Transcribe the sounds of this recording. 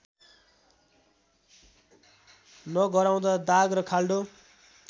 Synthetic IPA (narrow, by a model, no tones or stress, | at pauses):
nʌɡʌɾaw̃d̪ad̪aɡrʌkʰalɖo